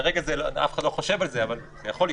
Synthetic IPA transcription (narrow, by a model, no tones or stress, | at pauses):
ʁeɡazeloa̰fe̥χad̪lo̞χoʃe̞valzeaval | z̥ejaχo̞li